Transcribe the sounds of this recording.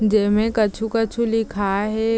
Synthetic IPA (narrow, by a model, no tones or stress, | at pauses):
d͡ʒɛːmẽkɐt͡ʃʰukət͡ʃʰulɪkʰaɦɛ